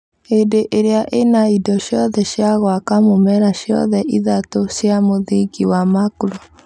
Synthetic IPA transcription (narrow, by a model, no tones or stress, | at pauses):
edeʔeɾeaʔenaidɔɕjɔðɛɕjaɣwakamomɛɾaɕjɔ̰ðɛʔiðatoʃjamoðiɡiwamakuɾo